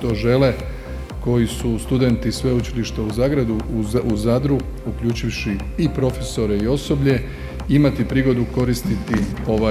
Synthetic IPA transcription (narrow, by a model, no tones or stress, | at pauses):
t̪o̞ʒe̞le̞ | ko̞jisust̪ud̪e̞nt̪isʋe̞ut͡ʃiliʃt̪auzaːɡɾad̪uuzad̪ɾu | ukʎʲuːt͡ʃiʋʃiipɾo̞feso̞ɾe̞io̞so̞bʎe̞ | imat̪ipɾiːɡo̞d̪uko̞ɾist̪it̪io̞ʋa